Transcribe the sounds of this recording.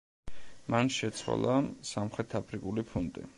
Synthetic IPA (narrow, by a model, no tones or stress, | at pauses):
manʃɛt̪sʰwa̰lˠasamχɾɛt̪ʰapʰɾikʼulipʰund̪ʼḭ